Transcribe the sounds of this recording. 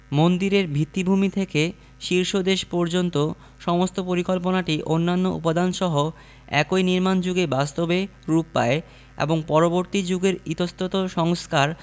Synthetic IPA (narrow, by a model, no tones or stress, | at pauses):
mond̪iɾeɾbʱit̪ːibʱumit̪ʰeke | ʃiɾʃod̪eʃpɔɾd͡ʑont̪o | ʃɔmost̪opoɾikolp̬onaʈiʔonːanːo̰ṵpod̪anʃɔɦo | ɛ̰kojniɾmand͡ʑuɡebast̪obeɾupːa̰e | ḛboŋpɔɾoboɾt̪id͡ʑuɡeɾit̪ost̪ot̪oʃɔŋskaɾ